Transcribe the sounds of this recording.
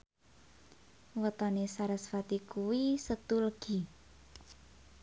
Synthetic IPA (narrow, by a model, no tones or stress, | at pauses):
wət̪ɔnesaɾəsfat̪ikuwisət̪uləɡ̥i̤